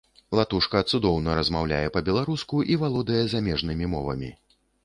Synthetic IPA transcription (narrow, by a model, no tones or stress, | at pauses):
lˠat̪uʂkɐt̪sud̪ɔwnɐɾɐzmawlʲa̰jɛpɐbʲɛlˠaɾuskuʔivalˠɔd̪ɐjɛzamʲɛʐnɨmʲimɔvɐ̰mʲḭ